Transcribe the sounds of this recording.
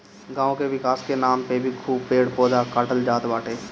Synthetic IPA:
ɡãːõkeʋɪkaːskenaːmpebʱikʰuːbpeːɽpoːd̪akaːʈəld͡ʒaːt̪ʋaːʈeː

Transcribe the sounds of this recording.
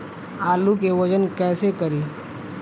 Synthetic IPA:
aːlukeʋɐd͡ʒənkɛːsekɐɾiː

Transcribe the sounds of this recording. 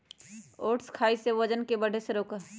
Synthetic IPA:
oːʈskʰaːiseʋəd͡ʒənkebəɽʱeseɾoːkəɾ

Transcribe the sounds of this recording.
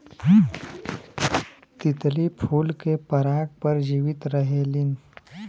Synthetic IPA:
t̪ɪt̪lipʰuːlkepəɾaːɡ̚pəɾd͡ʒiːʋɪt̪ɾəɦelɪn

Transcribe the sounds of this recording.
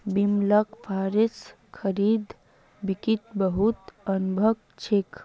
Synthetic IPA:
bimləkpʰaːɾes | kʰəɾiːd̪ | bikit̪bəɦut̪ənubʱəɡ̚ | t͡ʃʰek

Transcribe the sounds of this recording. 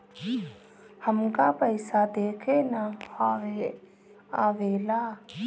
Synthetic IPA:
həmkapəɪsad̪eːkʰenahae | aʋela

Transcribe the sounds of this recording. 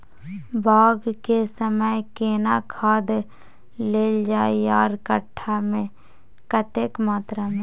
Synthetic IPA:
bʱaːɡkesəməjkeːnakʰaːd̪ | leːld͡ʒaːiaːɾkəʈʰːamẽ | kət̪eːkmaːt̪ɾamẽ

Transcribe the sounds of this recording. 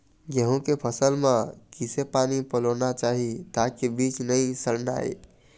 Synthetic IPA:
ɡəɦũkepʰəsəlmẽkisepanipəlonat͡ʃaɦit̪akebit͡ʃnəjsəɾna̰e

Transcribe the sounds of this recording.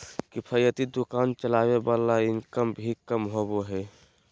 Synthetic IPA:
kipʰəjət̪id̪ukaːnt͡ʃəlaːbebalːaɪnkəmbʱikəmɦoboɦɛ

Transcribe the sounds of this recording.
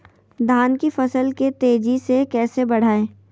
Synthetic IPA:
d̪ʱaːnkifɐsəlket̪eːd͡ʒisekɛːsebɐɽ̤aːẽː

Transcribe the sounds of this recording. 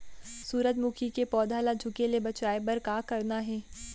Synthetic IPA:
suːɾət̪mukʰikepɔːd̪ʱaːlad͡ʒʱʊkelebɐt͡ʃaːebɐɾkaːkɐɾnaɦɛː

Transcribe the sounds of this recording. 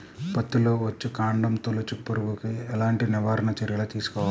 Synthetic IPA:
pɐt̪ːuloːʋɐt͡ʃːukaːɳɖɐmt̪olɐt͡ʃːupːɐɾuʋukiɛlaːɳʈiniʋaːɾɐɳɐt͡ʃɐɾjɐlɐt̪iːsu̥kɔːʋa

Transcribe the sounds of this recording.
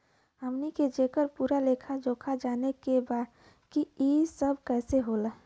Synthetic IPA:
ɦəmniked͡ʒeːkəɾpuːɾalekʰad͡ʒoːkʰad͡ʒaːnekebaːd̪ | kiisəbʱkɛːseɦoːlə

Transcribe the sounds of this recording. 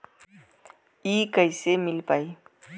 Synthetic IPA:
iːkəisemɪlpaːi

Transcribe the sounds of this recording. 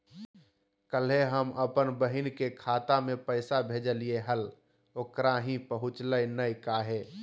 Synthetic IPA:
kəlɦeɦəmʔəpənbəɦɪnkekʰaːt̪amẽpəɪsabʱeːd͡ʒəlieɦəl | oːkɾaɦĩpəɦʊt͡ʃləjnəjkaɦeː

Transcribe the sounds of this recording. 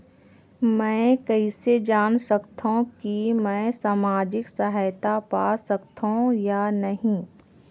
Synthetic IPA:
mɛ̃ːkɐɦised͡ʒaːnsɐkt̪ũkimɛ̃ːsaːmaːd͡ʒɪksɐɦaːɪt̪apaːsɐkt̪ʰõjanɐɦĩ

